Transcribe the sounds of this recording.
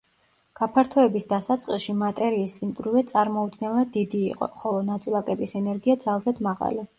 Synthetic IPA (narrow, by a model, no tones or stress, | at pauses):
ɡ̥apʰaɾt̪ʰɔɛbisd̪asat̪sʼqʼiʃimat̪ʼɛɾiːsimɡɾuvɛt̪sʼaɾmɔud̪̚ɡɛnlˠad̪id̪ḭːqʼɔ̰χɔlˠɔnat̪sʼilˠakʼɛbisɛnɛɾɡiad̪zalˠzɛd̪maʁa̰li